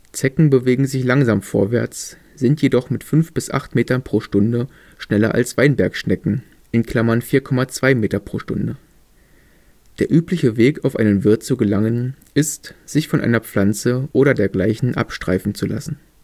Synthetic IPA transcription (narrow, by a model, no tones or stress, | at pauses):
t͡sɛkŋ̩bəveːɡŋ̩zɪçlaŋzaːmfo̰ːɐvɛɐt͡s | z̥ɪntjedɔχmɪtfʏnfb̥ɪsʔa̰χtmeːtɐnpʁ̥oːʃtʊndə | ʃnɛlɐ̰ʔa̰lsv̥aɪnbɛɐkʃnɛkŋ̩ | ʔɪnkʰl̥amɐnfiːɐkʰɔmat͡sv̥aɪmeːtɐpʁ̥oːʃtʊ̰ndə | d̥eːɐʔyːplɪçəveːkaʊfʔa̰ɪnənvɪɐt̚t͡suɡəlaŋənʔɪstz̥ɪçfɔnʔa̰ɪnɐp͡flant͡səʔoːɾɐdeːɐɡlaɪçn̩ʔa̰pʃtʁ̥aɪfn̩t͡sula̰sn̩